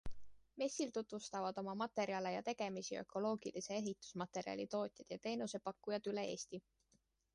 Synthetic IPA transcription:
me̞sːilt̪ut̪vust̪ɑvɑd̪̥o̞mɑmɑt̪e̞ɾiɑle̞jɑt̪e̞ɡ̥e̞misiø̞̰ko̞lo̞ːɡ̥ilʔise̞e̞ɦit̪ːˑu̥smɑt̪e̞ɾiɑ̰lʲit̪o̞ːt̪ʲˑjɑd̪̥jɑt̪e̞ːnuse̞pɑkːujɑd̪̥yle̞e̞̰ːst̪i

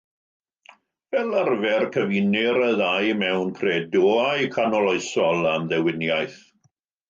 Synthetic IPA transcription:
vɛlˠarvɛrkʰəvinɪɾəðajmɛwnkʰreːdɔːajkʰanɔlˠɔɨsɔlˠamðɛwɪnjajθ

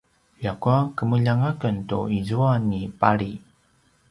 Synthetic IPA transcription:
jakuakəməʎaŋakəntṵizuanipaɾi

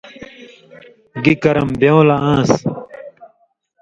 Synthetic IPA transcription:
ɡikɐɾɐmbjeõlaãːs

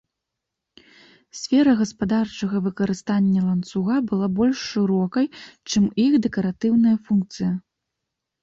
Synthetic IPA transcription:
sʲfʲɛɾɐɣɐspad̪art͡ʂɐɣɐvɨkɐɾɨst̪anʲːɐlˠɐnt̪suɣabɨlˠabɔlʲʂːɨɾɔkɐjt͡ʂɨmixd̪ɛkɐɾat̪ɨwnɐjɐfunk̚t̪sɨjɐ

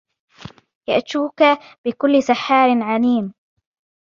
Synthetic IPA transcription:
ja̰ʔt̪uːka | b̥ɪkʊlːɪsaħːaːɾɪnʕaniːm

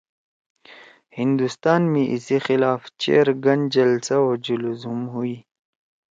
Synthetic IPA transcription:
hind̪ust̪aːnmiʔisixɪlaːft͡ɕḛːɾɡɐnd͡ʑɐlsaod͡ʑuluzumɦui

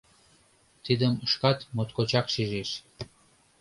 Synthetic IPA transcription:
t̪id̪əməʃkɑt̪mot̪kot͡ɕɑkʃiʒeʃ

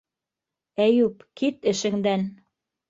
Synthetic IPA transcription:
æjʉpkit̪ɘ̆ʃɘ̆ŋd̪æn

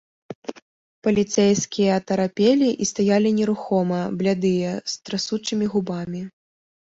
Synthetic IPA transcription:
pɐlʲit̪sɛjskʲijɐːt̪ɐɾapʲelʲiʔist̪ajalʲinʲɛɾuxɔmɐblʲad̪ɨjɐst̪ɾasut͡ʂɨmʲiɣubamʲi

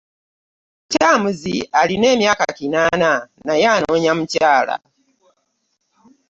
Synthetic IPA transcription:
caːmuzialine̞ːmjaːka̰kinananajano̞ːɲamucaːla̰

